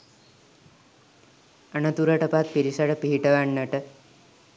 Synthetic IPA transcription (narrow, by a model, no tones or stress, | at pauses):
ɐɳɐt̪uɾɐʈɐpat̪̚piɾisaʈəpiɦiʈɐʋaɳːɐʈə